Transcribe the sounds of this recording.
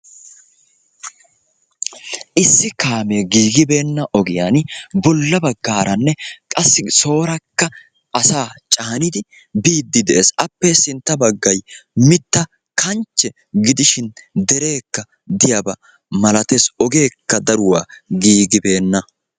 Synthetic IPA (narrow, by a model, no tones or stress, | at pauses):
ʔɪsːɪkaːmeːɡiːɡɪbe̞ːnːɐʔɔɡɪjaːnbɔlːɐbɐɡːaːɾɐnːɛkʼɐsːɪso̞ːɾɐkːɐ | ʔɐsaːt͡ʃʼaːnɪd̪ɪ | biːd̪ːɪd̪ɛʔeːsɐpːesɪnt̪ːɐbɐɡːɐjmɪt̪ːɐ | kʰɐnt͡ʃːɛ | ɡɪd̪ɪʃɪnd̪ɛɾe̞ːkːɐ | d̪ɪjabɐ | mɐlɐt̪esɔɡe̞ːkːɐd̪ɐɾʊwaːɡiːɡɪbe̞ːnːɐ